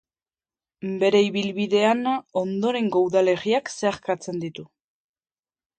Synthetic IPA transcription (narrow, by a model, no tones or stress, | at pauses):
be̞ɾe̞iβilβiðe̞ano̞nd̪o̞ɾe̞ŋɡawðale̞ɣiakse̞aɾkat͡se̞nd̪it̪u